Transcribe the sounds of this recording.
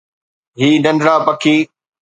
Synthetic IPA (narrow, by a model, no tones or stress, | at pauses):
ɦiːnɐ̃nɖɾaːpɐkʰiː